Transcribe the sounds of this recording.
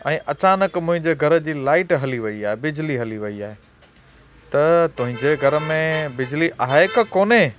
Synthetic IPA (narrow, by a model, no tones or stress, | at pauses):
ɛ̃ːʔɐt͡ɕaːnəkmʊ̃ɦɪ̃ɲd͡ʑeɡʱɐɾə̆d͡ʑiːlaːɪʈɦɐliʋɐiaːɦebɪd͡ʑliɦɐliʋɐiaːɦe | t̪ɐt̪ʊɦɪ̃ɲd͡ʑeɡʱɐɾə̆mẽbɪd͡ʑliʔaːɦekəkoːne